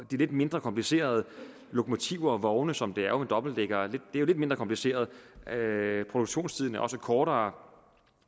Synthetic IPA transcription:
d̥ile̝d̥me̝nd̥ʁɐkʰɒ̽mpʰlise̝̰ːɐð̞ˠə | lo̝kʰo̝mo̝t͡sʰiʊɐɒʋɒʊnəsɒ̽md̥e̝æɐjomend̥ɒ̽b̥l̩d̥eɡ̥ɐːle̝d̥d̥eæjole̝d̥̚mend̥ʁɐkʰɒ̽mpʰlise̝̰ːɐð̞ˠ | pʰʁo̝d̥uɡ̥ɕo̝̰ːnst͡sʰiðˠnəʔɒ̽səkʰɒːɾɐː

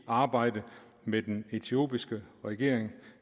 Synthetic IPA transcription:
ɑ̈ːb̥ɑ̈ɪ̰d̥ə | med̥ene̝t͡sʰio̝̰ːb̥isɡ̥əʁɛɡ̥e̝ɐ̰eŋ

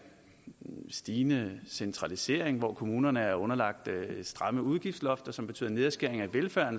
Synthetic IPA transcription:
sd̥iːnəsent͡sʰʁɑ̈lise̝̰ɐe̝ŋʋɒkʰo̝muːnɐnəæɐɔ̽nɐlɑ̈ɡ̥̚d̥sd̥ʁɑ̈məuð̞ˠɡ̥ifd̥slɒ̽fd̥ɐsɒ̽mbe̝t͡sʰy̰ːð̰ˠne̝ð̞ˠɐsɡ̥eɐ̰eŋæʋelfæɐnə

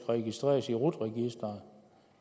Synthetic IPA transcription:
ʁɛɡ̥isd̥ʁḛːɐsiʁud̥ʁɛɡ̥isd̥ɐn̩

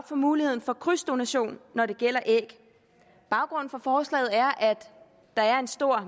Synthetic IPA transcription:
b̥fɒmuːlihe̝ð̰ˠn̩fɒ̽kʰʁysd̥o̝næɕo̝̰ːnːɒɾe̝ɡ̥el̰ɐʔeɡ̥ | b̥ɑ̈ʊɡ̥ʁɔ̽nn̩fɒ̽fɒːslɛ̰ːð̩ˠæɐʔæd̥ː | ɑ̈æɐe̝nsd̥o̝ɐ̰

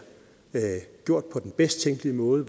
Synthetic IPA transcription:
ɡ̥jo̝ɐ̰d̥̚pʰɒ̽d̥enb̥esd̥t͡sʰeŋ̰ɡ̥liəmɔ̽ːð̞̩ˠə

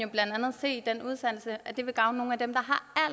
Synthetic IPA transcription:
jo̝b̥lænd̥ænð̞̩ˠse̝̰ːid̥enuð̞ˠsæn̰l̩səʔæd̥e̝ʋe̝ɡ̥ɑ̈ʊnəno̝ːn̩æd̥emd̥ɑ̈ɦɑ̈æl

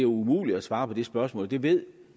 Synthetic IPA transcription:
æɐumuːlid̥æsʋɑ̈ːpʰɒ̽d̥e̝sb̥ɶɐsmɔ̰̽ːld̥e̝ʋe̝ð̰ˠ

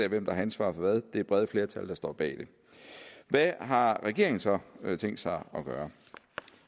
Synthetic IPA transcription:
eæɐʋem̰d̥ɑ̈hɑænsʋɑ̰̈ːfɒ̽ʋæð̞ˠd̥e̝æɐb̥ʁɛð̞ˠəfle̝ɐt͡sʰæld̥ɑ̈sd̥ɒ̰ːb̥ɛ̰ːd̥e̝ | ʋæɦɑ̈ʁɛɡ̥e̝̰ɐeŋn̩sɒ̽t͡sʰeŋ̰d̥sɑ̈ɪɒ̽ɡ̥ɶːɐ

